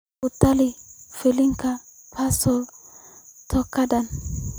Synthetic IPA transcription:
ut̪ːalifeliŋka | pʰasɔl | t̪ʰɔkːadan

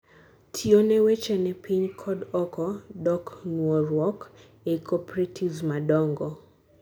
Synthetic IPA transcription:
tʰionɛwɛt͡ʃɛnɛpiɲkʰɔdɔkɔdɔknwɔɾwɔk | ekʰɔpɾetʰizmadɔŋɡɔ

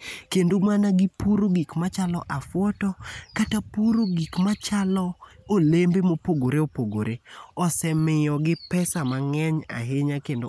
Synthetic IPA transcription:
kendomanaɡɪpuɾoɡikmat͡ʃalɔ̰ʔafwɔtɔkatapuɾoɡikmat͡ʃalɔolembemopoɡoɾeopoɡo̰ɾeɔsɛmɪjɔɡɪpɛsamaŋɛɲa̰ɦeɲakendo

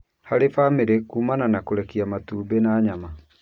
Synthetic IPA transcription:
haɾefameɾekuːmananakoɾɛkiamatuːbenaɲama

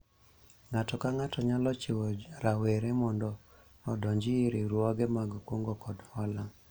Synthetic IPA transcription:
ŋatɔkaŋatɔɲalɔt͡ʃewod͡ʒɾaweɾemɔndɔ | ɔdɔɲd͡ʒɪɪɾeɾwɔɡɛmaɡkwoŋɡokɔdhɔlaŋ

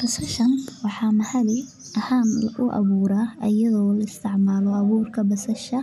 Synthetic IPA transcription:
b̥ɐsɐʃɐnwɑħɑːmɐhɐlɪ | ʔɐhaːnʔʊʔɐ̰βuːɾaːʔɐjɐðɔːlɐɪst̪ʰɪʕmaːlɔɐβuːrkʰɐbɐsɐʃɐ

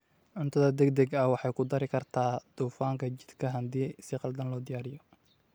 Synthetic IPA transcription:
ʕʊnt̪ʰɐðɐd̪ɛɡd̪ɛɡɐwɑħɑjkʰʊd̪ɐɾɪkʰɐrt̪ʰaːd̪̥uːfaːŋkʰɐt͡ʃɪd̪kʰɐɦɐd̪iːsɪqɑld̪ɐnlɔːd̪ɪjaːɾɪjɔ

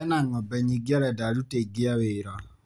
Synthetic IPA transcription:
ɛnaŋɔbɛɲiɡaɾɛdaɾuteɡiaweɾɔ

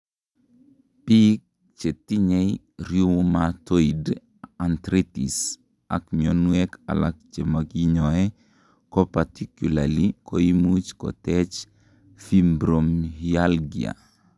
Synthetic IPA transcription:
pik̚ | t͡ʃetiɲej | ɾjumatoid | ant̪ɾitḭs | a̰kɲonwɛka̰lak̚t͡ʃemaɡiɲɔɛ | kɔpatikjulalikoimut͡ʃkɔ̰tɛt͡ʃ | fimbɾomɦialɡia̰

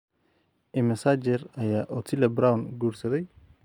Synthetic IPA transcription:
ʔɪmɐsad͡ʒɛrɐjaːʔɔt̪ʰɪlɛbɾawnɡuːɾsɐðɛj

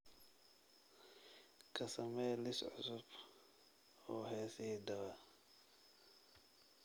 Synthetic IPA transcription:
kʰɐsɐmɛjlɪsʕʊ̰sʊb̥ | ɔːɦɛːsihid̪ɐβɐ

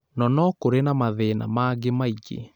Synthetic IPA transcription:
nɔnɔkoɾenamaðena̰maɡemaiɡḛ

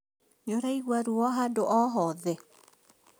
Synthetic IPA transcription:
ɲoɾaiɣwaɾwɔɦandoʔɔɦɔðɛ

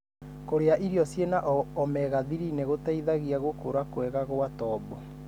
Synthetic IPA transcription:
koɾeaʔiɾiɔsjenaʔɔmɛɣaðiɾineɣotaiðaɣiaɣokoɾakwɛɣaɣoatɔbɔ

